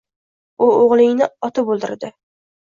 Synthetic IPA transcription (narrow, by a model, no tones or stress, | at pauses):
ʊoʁlˠɪŋnɪɒt̪ʰɪbolˠd̪ɪ̰ɾd̪ɪ